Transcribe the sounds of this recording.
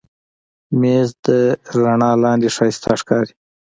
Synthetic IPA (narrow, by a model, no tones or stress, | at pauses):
mezd̪əɾaɳɑːlɑːnd̪eʂɑːst̪ʰaʂkɑɾi̥